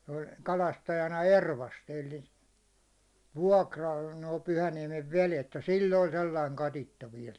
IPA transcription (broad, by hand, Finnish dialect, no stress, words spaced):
se olʲ kɑlɑstɑjɑnɑ erʋɑsti elːi ʋuɒkrɑl noˑi pyhæniɛmeʋ ʋelet jɑ silː olʲ selːɑiŋ kɑtitːɑ ʋiɛl